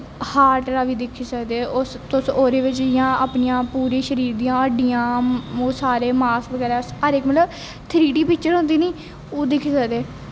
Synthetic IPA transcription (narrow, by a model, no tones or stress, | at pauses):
haːɾʈɾaːʋiːd̪ɪkʰːiːsəkd̪eːʊst̪ʊsoːɾeːʋɪt͡ʃɪjãːaːpnɪjãːpuːɾĩːʃəɾiːɾd̪ijãːəɖijãːoːsaːɾeːmaːsʋəɡɛːɾɛːsəɾɪkmət̪ləb | t̪ʰɾiːʈiːpɪkt͡ʃəɾɦõnd̪iːniː | oːd̪ɪkʰːiːsəkd̪eː